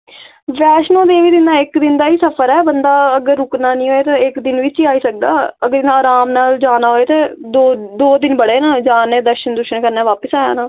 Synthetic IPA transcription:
ʋɛːʃnõːd̪eːʋiːd̪ɪnd̪aːɪkd̪ɪnd̪aːiːsəpʰəɾɛːbənd̪aːəɡəɾːʊknaːnĩːɦoːeːt̪aːɪkd̪ɪnʋɪt͡ʃiːaːiːsək̚d̪a̰ːəɡəɾɪnãːaːɾaːmnaːld͡ʒaːnaːɦoːeːt̪ẽːd̪oːd̪oːd̪ɪnbəɽeːnãːd͡ʒaːneːd̪əɾʃənd̪ʊʃənkəɾnaːʋaːpəsaːja̰ːnaː

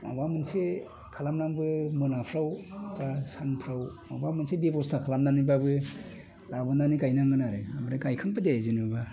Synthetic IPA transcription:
ma̰bamɯnse | kʰalamnaŋbɯmɯnapʰɾawtasanpʰɾawma̰bamɯnsebebɔstʰakʰalamnanibabɯ | labɯndanikajnaŋɡɯnaɾɯamɯɾɯkajkʰɯŋpɯdezinuba

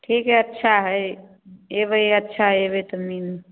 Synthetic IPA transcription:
ʈʰikɦeətːʃʰaɦəj | ebəətːʃʰaɦebit̪əmin

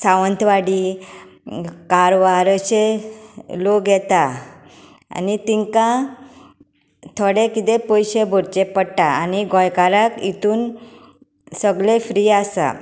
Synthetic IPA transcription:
saʋənt̪ʰʋaɽi | kaɾʋaɾəɕe | loɡʱɛt̪a | a̰nit̪iŋkã | t̪ʰɔɽekit̪epɔjɕebʱɔɾt͡ɕepəɽʈaːniɡʱɔjkaɾakit̪uːn | səɡlefɾiasa̰

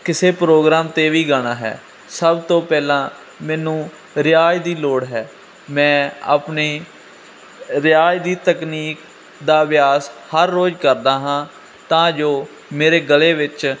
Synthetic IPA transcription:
kɪseːpɾoːɡɾaːmt̪eːʋiːɡaɽ̃aːɦɛ̰ː | səbt̪õːpɛːlãː | mɛːnũː | ɾɪaːjd̪iːloːɽɦɛː | mɛ̃ːa̰ːpneː | ɾɪjaːjd̪iːt̪əkniːk | d̪aːʋɪjaːshəɾːoːd͡ʒkəɾd̪aːɦãː | t̪ãːd͡ʒoː | meːɾeːɡəleːʋɪt͡ʃ

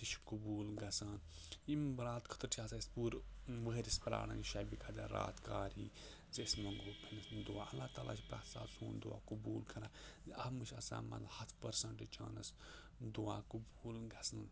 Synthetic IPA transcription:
t̪iʃkubuːlɡɐsaːn | imbɾaːt̪kʰə̥t̪ɨɾʈʰiaːsaispuːɾʋəɦɾʲispɾa̰ːɽɐ̃ŋʃabikʰad̪a̰ɾa̰ːt̪kaːɾiː | zeːsmɐŋɡɦopʰinisd̪uaːʔɐlːaːt̪aːla̰ːʃʰipɾa̰ːt̪sa̰ːsuːnd̪ṵa̰ːkubuːlkʰɐɾãːziɐhmɨʃɐsa̰ːmɐ̰t̪hɐt̪ʰpɐɾsɐɳʈɨt͡ʃa̰ːnɐ̰s | d̪uaːkubuːlɡɐsɐ

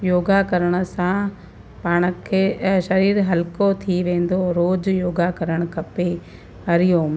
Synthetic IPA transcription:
joːɡakɐɾəɽ̃ə̆sã | paːɽ̃əkʰeːʃɐɾiːɾɦɐlkot̪ʰiʋẽːn̆d̪oɾoːd͡ʑjoːɡakɐɾəɽ̃kʰɐpe | ɦɐɾɪjom

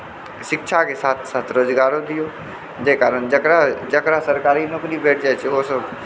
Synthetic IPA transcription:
ʃɪkʃʰakesaːt̪ʰsaːt̪ʰɾoːd͡ʒɡaːɾõd̪ɪjoː | d͡ʒeːkaːɾənd͡ʒəkɾad͡ʒəkɾasəɾkaːɾinoːkɾibeːʈʰd͡ʒaet͡ʃeoːsəb

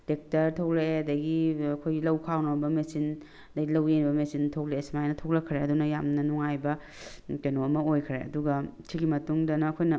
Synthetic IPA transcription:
dek̚tɐɾtʰɐwleedɐɡiɐkʰojɡilɐwkʰawnɐbɐmesin | dɐɡilɐwenibɐmesintʰɐwleesmajnɐtʰoklɐkʰɾeɐdunɐjamnɐnuŋajbɐ | kenoɐmɐojkʰɾeɐ̰duɡɐtʰiɡimɐtuŋdɐnɐːkʰojnɐ

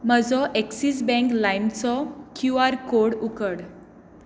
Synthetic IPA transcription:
m̤əd͡zɔʔeksisbɛ̃ŋklajmt͡sɔkjuaɾkoɽukəɽ

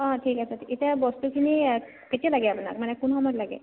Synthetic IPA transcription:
ãʈʰiːkasaʈʰiit̪abɔsʈ̪ukʰini | ket̪ijalaɡeabna̰kmanɛkunɦɔmɔɾlaɡḛ

